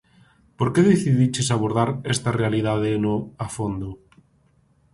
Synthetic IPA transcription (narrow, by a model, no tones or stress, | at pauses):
poɾkeðeθiðit͡ʃesaβ̞oɾð̞aɾest̪arealið̞aðenoafond̪o